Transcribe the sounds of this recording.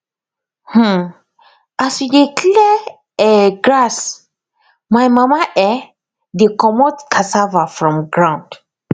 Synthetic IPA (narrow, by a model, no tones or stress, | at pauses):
h̩ | aswidikʰlɛ | ɛɡɹas | majmamaʔɛ | dekɔmɔtkʰasavafɹɔ̃mɡɹãʊ̃nd̥